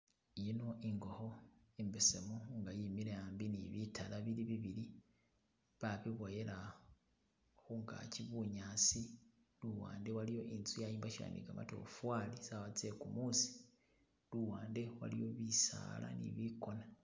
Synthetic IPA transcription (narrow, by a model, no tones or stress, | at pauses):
jino̞ʔiŋɡo̞ho̞embesemoŋɡajimiɾejaːmbiniβitʰalaβiliβiβili | βaβiβoje̞la | xuŋɡa̰ciβuɲaːsi | luwa̰ːnde̞walijo̞ʔinzujajiːmbaʃija̰ːnḭɡa̰ma̰to̞̰fwaːlisawat͡se̞kumusi̥ | luwaːnde̞wa̰lḭjo̞βisa̰la̰nḭβiko̞na